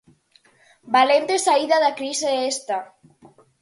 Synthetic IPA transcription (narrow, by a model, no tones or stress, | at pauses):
balend̪esaiðaðakɾiseest̪a